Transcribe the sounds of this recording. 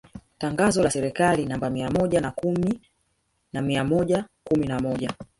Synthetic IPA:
taŋɡazɔlasɛɾikalinambamiamɔʄanakumi | namiamɔʄakuminamɔʄa

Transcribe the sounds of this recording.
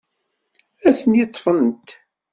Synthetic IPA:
æθənjit̪ˤːfənt̪

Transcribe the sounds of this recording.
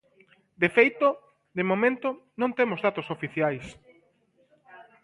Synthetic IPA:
d̪efejt̪o | d̪emomẽnt̪onõŋt̪emozðat̪osofiθjajs

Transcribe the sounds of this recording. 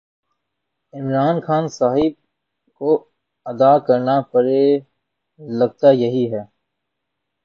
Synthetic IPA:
ɪmɾaːnxaːnsaːɦɪb̚ | ko | ɐd̪akɐɾnapɐɾe | lɐɡt̪ajɐɦiɦɛː

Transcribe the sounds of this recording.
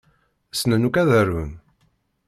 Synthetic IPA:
snənukæðəɾvə̰n

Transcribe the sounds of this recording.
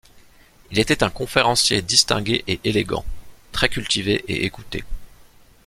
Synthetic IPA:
ilet̪ɛt̪ɛ̃kɔ̃feʁɑ̃sjed̪ist̪ɛ̰̃ɡʲeʔeʔeleɡɑ̰̃t̪χɛkʲylt̪iveʔḛʔekut̪ḛ

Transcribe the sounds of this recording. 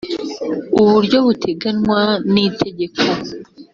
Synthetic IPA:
uβuɾɟo̞βutʰe̞ɡanwanitʰe̞ɟe̞kʰo

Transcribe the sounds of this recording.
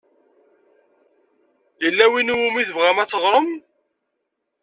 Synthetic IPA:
jəlːæwinuwumiθəvʁæmæt͡sːəʁɾˤəm

